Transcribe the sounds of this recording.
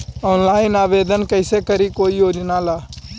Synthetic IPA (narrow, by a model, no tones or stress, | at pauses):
ɔːnlaːɪnaːʋeːd̪ənkəɪsekəɾikoːijoːd͡ʒnalaː